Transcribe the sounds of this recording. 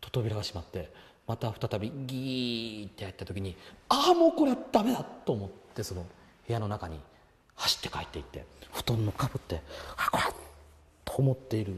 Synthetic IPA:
t̪o̞̥t̪o̞bʲiɾaɡaɕimat̪ːe̞ | mat̪aɸɯ̟̥t̪at̪abʲiɡʲit̪ːejait̪ːat̪o̞kʲiɲ̟iaːmo̞ːko̞ɾead̪̥ame̞d̪at̪ːo̞ːmo̞t̪ːe̞so̞no̞he̞jano̞nakaɲ̟ḭ | haɕi̥t̪ːe̞kaet̪ːe̞it̪ːe̞̰ɸɯ̥t̪õnːokabɯ̟t̪ːe̞akoɾe | t̪ːoːmo̞t̪ːe̞iɾɯ̟

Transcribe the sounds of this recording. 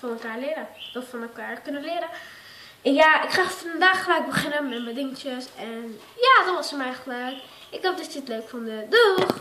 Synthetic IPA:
fɔnɛlˠkaːɹlɪɾədɔffɔnɛlˠkaːɹkɵnəlɪːɾə | ɛnjaɪkχaːfɑnndaːχːəlɛɥɡ̚bəχɪnəmɛtmədɪŋt͡ʃəsɛn | jaːdɔnʋɔtsəmɛjχələɥk | ɪɡ̚dɔp̚dɪtətløɥkfɔndədɔχ

